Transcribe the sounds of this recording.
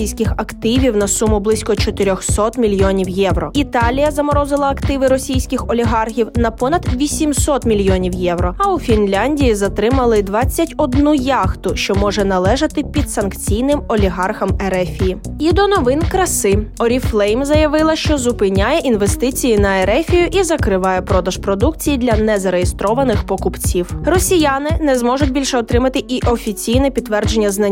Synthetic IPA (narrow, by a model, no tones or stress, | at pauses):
ijsʲkʲɪxɐkt̪ɪʋʲiwnɐsumʊblˠɪsʲkɔt͡ʃɔt̪ɪɾʲɔxsɔt̪mʲilʲjɔnʲiwjɛwɾɔit̪ɑlʲijɐzɐmɔɾɔzɪlˠɐɐkt̪ɪʋɪɾɔsʲijsʲkɪxɔlʲiɦɑrɦʲiwnɐpɔnɐd̪ʋʲisʲimsɔt̪mʲilʲjɔnʲiwjɛwɾɔɐufʲinlʲanʲdʲijizɐt̪ɾɪmɐlˠɪd̪ʋɑt͡sʲːɐtʲɔd̪nujɑxt̪ʊʃt͡ʃɔmɔʒɛnɐlˠɛʒɐt̪ɪpʲid̪sɐnkt͡sʲijnɪmɔlʲiɦɑrxɐmɛɾɛfʲijiid̪ɔnɔʋɪnkɾɐsɪɔɾʲiflˠɛjmzɐjɐʋɪlˠɐʃt͡ʃɔzʊpɪnʲajɛʔinʋest̪ɪt͡sʲijinɐeɾɛfʲijʊʔizɐkɾɪʋɑjɛpɾɔd̪ɐʒpɾɔd̪ukt͡sʲijid̪lʲɐnɛzɐɾejest̪ɾɔʋɐnɪxpɔkʊpt͡sʲiwrɔsʲijanɪnɛzmɔʐʊtʲbʲilʲʃɛɔt̪ɾɪmɐt̪ɪʔiʔɔfʲit͡sʲijnɛpʲid̪t̪ːʋɛrd͡ʒenʲːɐznɐ